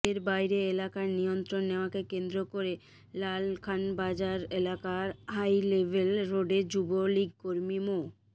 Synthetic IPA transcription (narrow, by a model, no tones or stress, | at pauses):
eɾbajɾeelakaɾnijont̪ɾonːeoakekend̪ɾokoɾe | lalkʰanbad͡ʑaɾelakaɾɦajlebʱelɾoɖed͡ʑuboliɡ̚koɾmimo